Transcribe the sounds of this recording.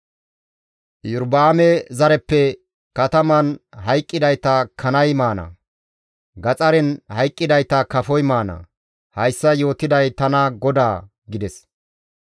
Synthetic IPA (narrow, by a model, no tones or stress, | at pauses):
jʊɾbaːmɛzɐɾɛpːɛ | kɐt̪ɐmɐnɦɐjkʼːɪd̪ɐjt̪ɐkʰɐnɐjmaːnɐ̰ | ɡɐt͡sʼɐɾɛnhɐjkʼːɪd̪ɐjt̪ɐkɐfɔjmaːnɐ̰ | hɐjsːɐjo̞ːt̪ɪd̪ɐjt̪ɐnɐɡɔd̪aː | ɡɪd̪ɛs